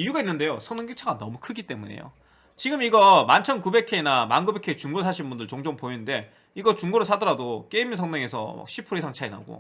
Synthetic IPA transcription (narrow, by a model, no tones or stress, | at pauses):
ijuɡainːɯnde̞josʰʌŋnɯŋɡit͡ɕʰaɡanʌmukʰɯɡit͈e̞mune̞̰jo̰ | t͡ɕiɡɯmiɡʌmant͡ɕʰʌnkube̞kʰe̞inamanɡube̞kʰet͡ɕuŋɡoɾɭsʰaɕʰinbundɯɭt͡ɕoŋd͡ʑoŋpoinɯnde̞ | iɡʌt͡ɕuŋɡoɾɯɭsʰadʌɾadok͈eiminsʰʌŋneŋe̞sʰʌ̰a̰kɕʰipʰɯɾisʰaŋt͡ɕʰaina̰ɡo̰